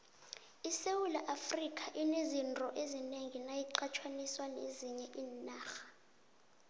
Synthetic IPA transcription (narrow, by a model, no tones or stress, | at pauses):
isewulaʔafrikʼʰaʔinezintʼɔʔezineŋinajiǃʰat͡ʃʰwaniswaneziɲɛʔiːnaːxḁ